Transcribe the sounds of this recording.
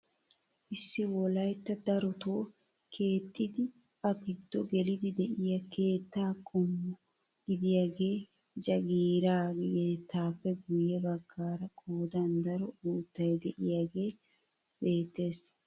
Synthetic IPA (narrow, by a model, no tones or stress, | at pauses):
ʔɪsːɪwɔlɐjt̪ːɐd̪ɐɾɔt̪o̞ː | kʰe̞ːt̪ʼːɪd̪ɪ | ɐkɪd̪ːɔɡɛlɪd̪ɪd̪ɛʔɪjɐkʰe̞ːt̪ːaːkʼɔmːʊ | ɡ̥ɪd̪ɪjaːɡe̞ː | d͡ʒɐɡiːɾaːɡeːt̪ːaːpːɛɡʊjɛbɐɡːaːɾɐkʰʼoːd̪ɐnd̪ɐɾɔuːt̪ːɐjd̪ɛʔɪjaːɡe̞ː | be̞ːt̪ːe̞ːs